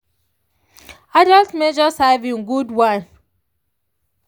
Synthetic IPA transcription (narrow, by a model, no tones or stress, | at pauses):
adaltmed͡ʒɔsavĩnɡudwãn